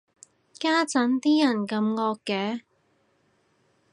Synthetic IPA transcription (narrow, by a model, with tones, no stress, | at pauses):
kaː˥t͡sɐ˨˥nt̪iː˥jɐ˨˩nkɐ˧mŋɔː˧kːɛː˨˥